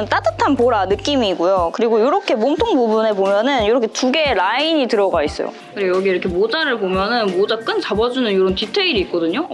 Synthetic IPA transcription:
nt͈at͈ɯtʰanpoɾanɯk͈imiːɡujokɯɾiɡojoɾʌkʰe̞momtʰoŋbubune̞pomjʌnɯnjoɾʌkʰetuɡe̞ɾaiɲitɯɾʌɡais͈ʌjo̰kɯɾejʌɡieiɾʌkʰemod͡ʑaɾɯɭbomjʌnɯnmod͡ʑak͈ɯnt͡ɕabʌd͡ʑunɯnjoɾʌntitʰeiɾiːk̚k͈ʌdɯɲo

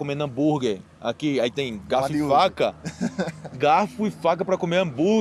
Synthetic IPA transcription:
kõmenɐ̃buɾɡe | a̰kiait̪ẽj̃ɡaffakɐ | ɡafʊifak̬ɐpɾɐkõmeɐ̃bu

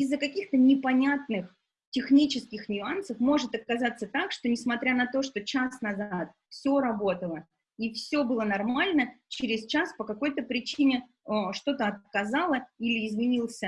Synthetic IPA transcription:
ɪzːəkɐkʲixt̪ənʲɪpɐnʲat̪nɨx | tʲɪxnʲit͡ɕɪskʲɪxnʲʊansəfmo̞ʐɨt̪ɐt̪̚kɐzat̪sət̪akʂt̪o̞nʲɪsmɐt̪ɾʲanɐt̪o̞ʂt̪o̞t͡ɕasnɐzat̪ | fsʲo̞ɾɐbo̞t̪əlˠə | ifsʲo̞bɨlˠənɐrmalʲnət͡ɕɪɾʲɪst͡ɕaspəkɐko̞jt̪əpɾʲɪt͡ɕinʲɪ | ʂt̪o̞t̪əɐt̪̚kɐzalˠəilʲɪːzmʲɪnʲilˠsʲə

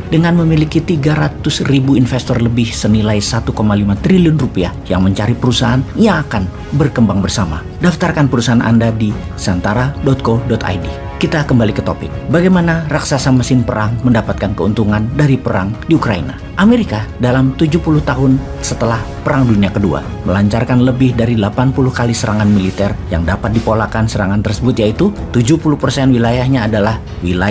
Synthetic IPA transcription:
dəŋanməmilikit̪iɡaɾat̪ʊsribuinfɛst̪ɔrləbɪhsənilajsat̪ukomalimat̪ɾiliʊnrupia̰ja̰ŋməɲt͡ʃaɾipəɾusaɦanjaŋakan | bərkəmbaŋbərsama̰ | daft̪arkanpəɾusaanʔa̰ndadi | sant̪aɾadɔt̪̚kodɔt̪a̰jdi | kit̪akəmbalikət̪o̰pɪ̰k̚baɡajmanaraksasamasɪnpəɾaŋməndapat̪̚kankəṵnt̪uŋandaɾipəɾa̰ŋdiukɾaḭna̰ | ʔameɾikadalamt̪ud͡ʒuhpulʊht̪aɦʊn | sət̪əlah | pəɾaŋduniakədua̰ | məlaɲt͡ʃarkanləbɪhdaɾidəlapanpulʊhkalisəɾaŋanmilit̪ɛrja̰ŋdapat̪̚dipolakansəɾaŋant̪ərsəbʊt̪jait̪ut̪ud͡ʒuhpuluhpərsɛnwilajahɲaːdalah | wila

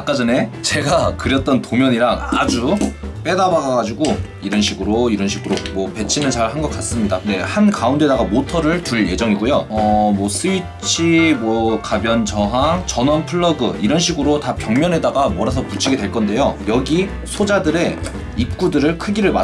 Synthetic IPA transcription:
ak͈ad͡ʑʌne̞t͡ɕe̞ɡakɯɾjʌt̚t͈ʌntomjʌɲiɾaŋa̰d͡ʑup͈e̞dabaɡaɡad͡ʑuɡo | iɾʌnɕʰiɡɯɾoiɾʌnɕʰiɡɯɾomwʌpe̞t͡ɕʰinɯnt͡ɕaɭhanɡʌk͈as͈ɯmɲidakɯnde̞hankaunde̞daɡamotʰʌɾɯɭtuɭje̞d͡ʑʌŋiɡojoʌmwʌs͈ʰɯi | t͡ɕʰimwʌkabjʌnt͡ɕʰʌɦat͡ɕʌnʌnpʰɯɭːʌɡɯiɾʌnɕ̬ʰiɡɯɾotapjʌŋmjʌne̞daɡamwʌɾasʰʌput͡ɕʰiɡe̞dwe̞ɭk͈ʌnde̞jojʌɡi | sʰod͡ʑadɯɾe̞ | ip̚k͈udɯɾɯɭkʰɯɡiɾɯɭma

